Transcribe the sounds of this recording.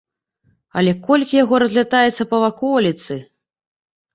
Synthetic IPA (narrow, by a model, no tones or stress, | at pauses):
ɐ̰lʲɛkɔlʲkʲijaɣɔɾɐzʲlʲat̪ajɛt̪sːɐpɐvakɔlʲit̪sɨ